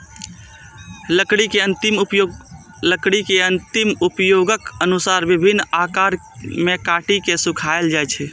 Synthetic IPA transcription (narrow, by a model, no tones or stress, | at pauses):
ləkɽikeənt̪impjo | ləkɽikeənt̪imupjoɡəkənusaɾbibʱinːakaɾmekaʈikesukʰaeld͡ʒajt͡ʃʰɛ